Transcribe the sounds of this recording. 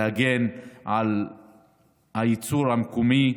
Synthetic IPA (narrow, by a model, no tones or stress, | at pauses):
aɡenal | hait͡suʁhamkumi